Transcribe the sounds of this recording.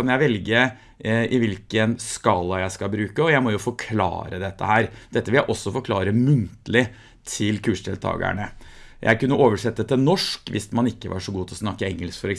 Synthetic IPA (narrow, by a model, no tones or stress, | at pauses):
ɑnjæɪʋɛlɡə | ʔɪʋɪlkənskɑlːɑjæɪskɑbɾʉːkəɔjæɪmɔjʊfɔkʰlɑ̰ːɾəd̪ɛt̪ːə̰hæːɾd̪ɛt̪ːəʋɪljæɪʔɔsːɔfɔɾkʰlɑːɾəmʉnt̪əlɪ | t̪ʰɪlkʰʉːʂɖɪlt̪ʰɑ̰ːɡə̰ɳəjʔæ̰ɪkʉnːəʔoːʋəʂɛt̪ːət̪ʰɪlnɔʂkʋɪ̰smɑnɪkːəʋɑ̰ʂɔɡuːt̪ʰlɔsnɑkːəɛŋːəlskfɔɾɛ